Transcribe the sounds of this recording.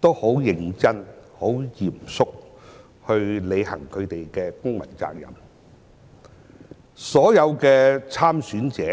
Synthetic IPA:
t̪o˥who˨˥wjɪ˧ŋt͡sɐ˥nho˨˥wjiː˨˩msʊ˥k̚ | hɵ˧ɥle˨˧jhɐ̰˨˩ŋkʰɵ˨˧ɥt̪e˨jkɛː˧kʊ˥ŋmɐ̰˨˩nt͡sa̰ː˧k̚jɐ̰˨m | sɔː˨˥jɐ˨˧wkɛː˧t͡sʰaː˥msyː˨˥nt͡sɛː˨˦

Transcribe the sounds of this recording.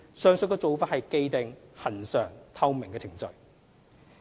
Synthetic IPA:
sœː˨˧ŋsɵ˨n̚kɔː˧t͡so˨˧wfaː˥hɐ˨jke˧jt̪ɪ˨ŋhɐ˨˩nsœː˨˩ŋt̪ʰɐ˥wmɪ˨˩ŋkɛː˧t͡sʰɪ˨˩ŋt͡sɵ˨ɥ

